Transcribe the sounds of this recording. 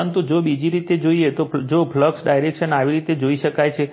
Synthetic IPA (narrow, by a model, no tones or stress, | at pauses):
ənt̪ud͡ʒobid͡ʒiɾit̪ed͡ʒoiet̪od͡ʒofləksɖajɾekʃənaʋiɾit̪ed͡ʒoiʃəkajt͡ʃʰe